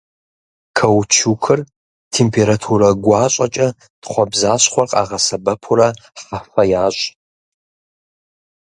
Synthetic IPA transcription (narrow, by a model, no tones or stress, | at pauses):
kʰɐwt͡ʃʰukʰɨr | tʰeːmpʰeɾatʰuɾɐɡʷɑːɕʼɐt͡ʃʼɐ | tχʷɔbzaːɕχʷɔrqʼa̰ːʁɐsɐbɐpʰʊɾɐħafɐjaːɕʼ